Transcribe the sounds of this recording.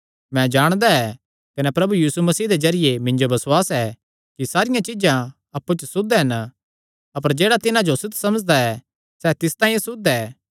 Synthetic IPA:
mɛ̃d͡ʒaːɽ̃d̪aɛ | kɐnɛpɾɐbujiːsumɐsiːd̪ezɐɾɪjemɪ̃ɲd͡ʒobɐsʊaːsɛː | kisaːɾɪjãt͡ʃɪd͡ʒã | ɐpːut͡ʃsʊd̪ɛɦɐn | ɐpəɾd͡ʒeːɽat̪ɪnãd͡ʒosʊt̪ʰsɐməd͡ʒd̪aɛ | sɛt̪ɪst̪ãːĩsʊd̪ɛː

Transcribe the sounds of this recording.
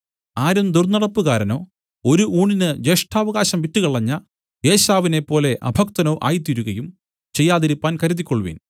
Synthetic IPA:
aːɾumd̪urnɐɽɐpːuɣaːɾɐno̞ː | o̞ɾuʔuːɳinɨd͡ʑeʂʈʰaːʋɐɣaːɕɐmʋitːuɣɐɭɐɲːɐ | jeːɕaːʋine̞pːo̞ːle̞ʔɐ̰bʱɐk̚t̪ɐnoʔa̰ːjit̪̬ːiɾuɣɐjum | t͡ɕe̞jːaːðiɾipːaːnkɐɾuðikʲːoɭʋḭːn

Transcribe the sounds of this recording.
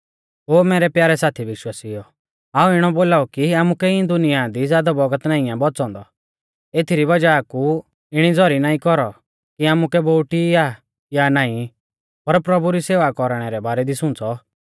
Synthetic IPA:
ɦoːmɛːɾɛpjaːɾɛsaːt̪ʰiʋɪʃwaːsijɔ | aːuɪɽ̃ɔboːlaːukiaːmukɛĩd̪ʊnɪjad̪izjaːd̪abɔɡət̪naːĩãbɔt͡sɔ̃ːnd̪ɔ | eːt̪ʰiɾiβɐd͡ʒaku | ɪɽ̃id͡zɔɾinaːĩkɔɾɔ | kiaːmukɛboːʈia | janaːĩ | pɐɾpɾɐbuɾiseːʋakɔɾɽ̃ɛɾɛbaːɾɛd̪isʊ̃nt͡sɔ

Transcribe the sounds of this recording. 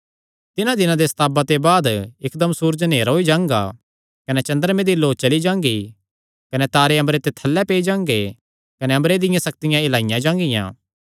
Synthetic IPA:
t̪ɪnãd̪ɪnãd̪esɐ̥t̪ʰaːbat̪ebaːd̪ɪkd̪ɐmsuːɾd͡ʒneːɾɦoːid͡ʒãːŋɡa̰ | kɐnɛt͡ʃɐ̃nd̪əɾmẽd̪iloːt͡ʃɐlid͡ʒãːŋɡi | kɐnɛt̪aːɾeɐ̃mbɾet̪et̪ʰɐlːɛpeːid͡ʒãːŋɡe | kɐnɛɐ̃mbɾed̪ɪjãsɐk̚t̪ɪjãɪlaːɪjãd͡ʒãːŋɡɪjã̰ː

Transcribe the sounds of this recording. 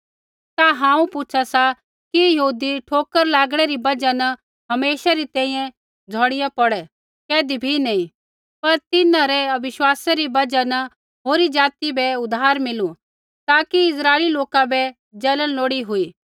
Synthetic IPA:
t̪aɦãːũpʊt͡ʃʰasa | kijɐɦuːd̪iʈʰoːkəɾlaːɡɽ̃ɛɾibɐd͡ʒanɐ | ɦɐmeːʃaɾit̪ɛ̃ːĩjɛ̃ | d͡zʱɔːɽɪjapɔɽɛ | kɛːd̪ibʱinɛĩ | pɐɾt̪ɪnãɾɛɐbɪʃwaːsaɾibɐd͡ʒanɐ | ɦoːɾid͡ʒaːt̪ibɛʊd̪ʱaːɾmɪlu | t̪aːkiɪsɾaːeliloːkabɛ | d͡ʒɐlənloːɽiɦʊiː

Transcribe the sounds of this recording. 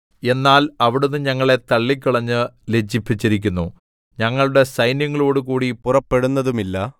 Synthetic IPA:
e̞nːaːlɐʋiɽunːɨɲɐŋːɐɭe̞t̪ɐɭːikʲːuɭɐɲːɨle̞d͡ʑipːit͡ɕːiɾikʲːunːu | ɲɐŋːɐɭuɽe̞sɐjnjɐŋːɐɭo̞ːɽukuːɽipurɐpːe̞ɽunːɐðumilːɐ

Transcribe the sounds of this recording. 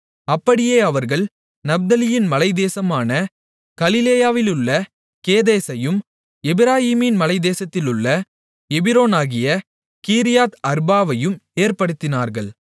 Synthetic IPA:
ɐpːɐɽɪjeːɐʋɐɾɣɐɭ | nɐb̚d̪ɐlɪjɪnmɐlɐɪd̪eːsɐmaːnɐ | kɐlɪleːjaːʋɪlɯɭːɐ | keːðeːsɐjɯm | ɛbɪɾaːhiːmɪnmɐlɐɪd̪eːsɐt̪ːɪlɯɭːɐ | ɛbɪɾoːnaːɣɪjɐ | kiːɾɪjaːt̪ɐɾbaːʋɐjɯmeːɾpɐɽɯt̪ːɪnaːɾɣɐɭ

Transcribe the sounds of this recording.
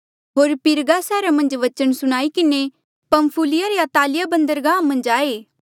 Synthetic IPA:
ɦoːɾpɪɾɡasɛːɾamɐ̃nd͡ʒʋɐt͡ʃənsʊɽ̃aːikɪne | pɐmpʰuːlɪjaɾeat̪aːlɪjabɐ̃nd̪əɾɡãːmɐ̃nd͡ʒaːeː

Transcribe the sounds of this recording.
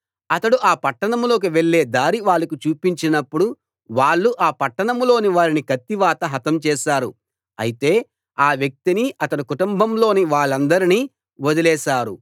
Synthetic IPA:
ɐt̪ɐɽuʔaːpɐʈːɐɳɐmlo̞ːk̬iʋeɭːe̞ːd̪aːɾiʋaːɭːɐkut͡ʃuːpiɲt͡ʃinɐpːuɽu | ʋaːɭːuʔaːpɐʈːɐɳɐmlo̞ːniʋaːɾinikɐt̪ːiʋaːt̪ɐɦɐt̪ɐmt͡ʃɛːʃaːɾu | ɐ̰jit̪e̞ː | aːʋjɐk̚t̪iniʔɐt̪ɐɽukuʈumbʱɐmlo̞ːniʋaːɭːɐnd̪ɐɾiniː | ʋod̪ilɛːʃaːɾṵ

